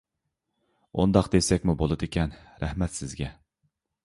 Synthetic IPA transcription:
ṵnd̪ɑqd̪esɛkʲmubolˠɨd̪ekʲʰɛn | ɾæhmɛt̪sɪzɡʲɛ

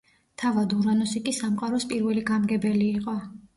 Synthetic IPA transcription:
t̪ʰavad̪uɾanɔsikʼisamqʼaɾɔspʼiɾvɛliɡamɡɛbɛliːqʼɔ

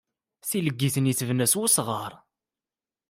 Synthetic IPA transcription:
θiləɡːiθəniθəvnæswusʁəɾˤ

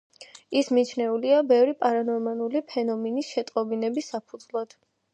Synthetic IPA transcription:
ismit͡ʃʰnɛuliabɛvɾipʼaɾanɔɾmanulipʰɛnɔmɛnisʃɛt̪ʼqʼɔbinɛbisːapʰud̪zlˠad̪̥

